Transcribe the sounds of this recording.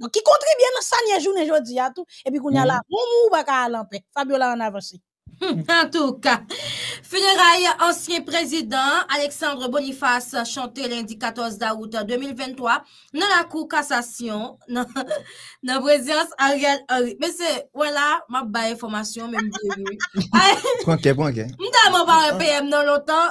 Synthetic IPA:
d̪ɔ̃kːikɔ̃t̪ʁibyenɐ̃sanjɛʒuneʒod͡ziat̪uep̬ikũɲjalamũmũːpakaːlãpɛ̃sabjolaə̃navɑ̃se | ɑ̃t̪uka | feneʁajɑ̃sjɛ̃pʁezid̪ɑ̃aleksɑ̃d̪ʁəbonifasʃɑ̃t̪elɛ̃dd͡zikat̪ɔʁzdaut̪d̪ømilvɛ̃nt̪ʁwa | nɔ̃lakukasasjɔ̃nã | nɐ̃pʁezid̪ɑ̃saʁjɛlaʁimɛsɛwɛ̃lamap̚baɛ̃fɔʁmasjɔ̃mɛ̃mdeviaãkɛp̬uɔ̃kɛm̩t̪amɔ̃vaʁɛpeɛmnɔ̃lɔ̃t̪ɑ̃

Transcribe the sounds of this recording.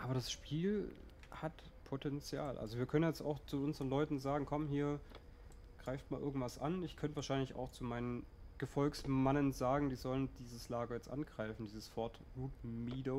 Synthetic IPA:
ʔaːbɐɾasʃpʰiːl | hat | pʰotʰɛnt͡sja̰ːlʔa̰lzoviːɐkʰœnənjɛt͡sta̰ʊxt͡suʔʊnzəʁənlɔʏtn̩zaːɡŋ̩kʰɔmhiːɐ | ɡ̥ʁaɪftmaːlʔɪ̰ɐɡŋ̩tv̥asʔa̰nɪçkʰœntvaɐʃaɪnlɪça̰ʊxt͡sumaɪnən | ɡ̥əfɔlksmanənzaːɡŋ̩d̥iːzɔləndiːzəslaːɡɐjɛt͡stʔa̰nɡ̥ʁaɪfn̩diːzəsfɔɐt | ʁuːtmiːdo

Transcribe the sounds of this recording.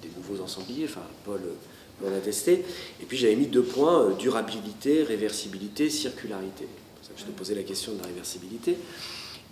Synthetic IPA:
d̪enuvozɑ̃sɑ̃blieɑ̃fɛ̰̃pɔlø | mɑ̃nat̪ɛst̪eepɥiʒavɛmid̪øpwɛ̃ød̪yʁabilit̪eʁevɛʁsibilit̪esiʁkʲʰylaʁit̪ʰe | sakʒ̥ə̥t̪əpozɛlakʲɛst̪jɔ̃d̪əlaʁevɛʁsibilit̪e

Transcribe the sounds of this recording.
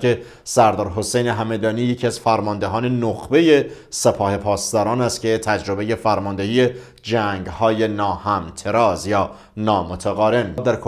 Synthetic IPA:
ke | sæɾd̪ɒːɾɦo̞sejneɦæme̞d̪ɒːniːjecʰiæz̥fæɾmɒːnd̪eɦɒːne̞noxbe̞je̞ | se̞pʰɒːhe̞pʰɒːst̪ɒːɾɒːnæst̪cʰe̞t̪ʰæd͡ʒɾo̞be̞je̞fæɾmɒːnd̪e̞hiːje̞ | d͡ʒæŋɡhɒːje̞nɒːhæmt̪ʰeɾɒːzjɒː | nɒːmot̪ʰæɣɒːɾe̞nid̪æɾkʰ

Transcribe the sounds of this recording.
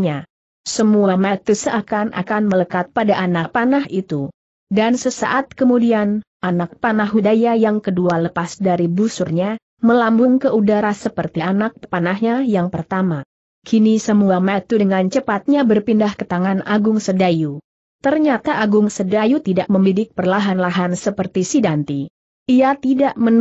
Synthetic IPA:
ɲa | səmuamat̪usəʔakanʔa̰kanmələkat̪̚padaʔanapanaɦit̪u | dansəsa̰ʔat̪̚kəmudian | ʔanak̚panaɦɦudajajaŋkədualəpasdaɾibusurɲa | məlambʊŋkəʔudaɾasəpərt̪iʔanak̚panaɦɲajaŋpərt̪ama | kʰinisəmuamat̪udəŋant͡ʃəpat̪̚ɲabərpindahkət̪aŋanaɡʊŋsədaju | t̪ərɲat̪aʔaɡʊŋsədajut̪idaʔməmidɪk̚pərlaɦanlaɦansəpərt̪isidant̪i | iat̪idaʔmən

